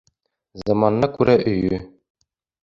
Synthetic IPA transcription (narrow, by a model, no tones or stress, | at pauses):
zɑmɑnːɤkʉɾæʔɵ̆jɵ